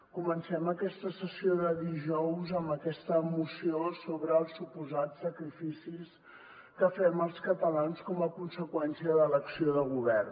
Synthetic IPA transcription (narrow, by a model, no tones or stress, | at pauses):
kumənsɛməkɛst̪əsəsioðəðiʒɔwzəmbəkɛst̪əːmusiosoβɾəːlˠsupuzatsəkɾifisis | kəfɛməlˠskət̪əlanskɔməkunsəkwɛnsiəðələksioðəɣuβɛr